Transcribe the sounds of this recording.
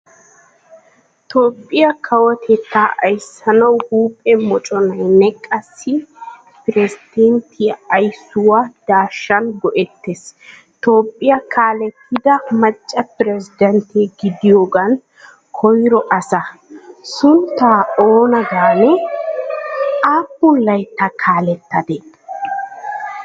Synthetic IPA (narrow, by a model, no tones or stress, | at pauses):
t̪oːpʼːɪjɐkʰɐwɔt̪ʰɛt̪ːaːʔɐjsːɐnɐwhuːpʼːɛmɔt͡ʃʼɔnɐjnɛkʼːɐsːɪ | pɪɾɛzɪd̪̥ɛnt̪ʰɪɐjsːʊwad̪̥aːʃːɐnɡɔʔɛt̪ːes | t̪o̞ːpʼːɪjɐkʰaːlɛt̪ːɪd̪ɐmɐt͡ʃʼːɐpɪɾɛzɪd̪ɛnt̪ʰeɡɪd̪ɪjo̞ːɡɐn | kʰɔjɾɔʔɐsɐsʊnt̪ːaːoːnɐɡaːnɛ | aːpːʊnlɐjt̪ːɐkʰaːlɛt̪ːɐd̪ɛ